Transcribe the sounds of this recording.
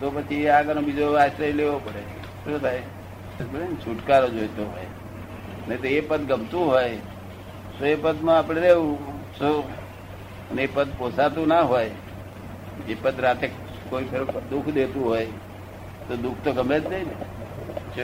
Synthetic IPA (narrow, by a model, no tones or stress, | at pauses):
t̪opət͡ʃʰiaɡənobid͡ʒoasəeleʋopəɽe | ʃot̪ʰaj | əbəɾent͡ʃʰuʈkaɾod͡ʒojt̪oɦo̰j | net̪oepəd̪ɡəmt̪ũɦoj | soepəd̪mãapɽ̃eɾeʋũso | əneepəd̪posat̪ũnaɦoj | d͡ʒepəd̪ɾat̪e | koipʰeɾd̪ukʰd̪et̪ũɦoj | t̪od̪ukʰt̪oɡəmed͡ʒdeine